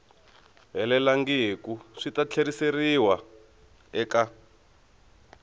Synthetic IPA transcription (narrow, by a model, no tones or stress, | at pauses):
ɦɛlɛlaŋɡikuʂitat͡ɬʰeɾiseriwa | ɛka